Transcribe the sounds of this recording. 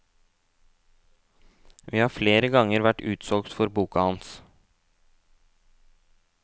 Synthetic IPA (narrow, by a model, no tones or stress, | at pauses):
ʋiːhɑːɾfleːɾəɡɑŋəɾʋæʈʉːt̪sɔlkt̪fɔɾbuːkɑhɑns